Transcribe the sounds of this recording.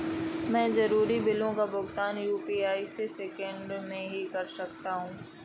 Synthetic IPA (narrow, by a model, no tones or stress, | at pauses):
mɛ̃ːzɐɾuːɾibɪlõkabʊɡt̪aːnjuːpiaːiseseːkə̃ɳɖmẽɦikɐɾsɐk̚t̪aɦũː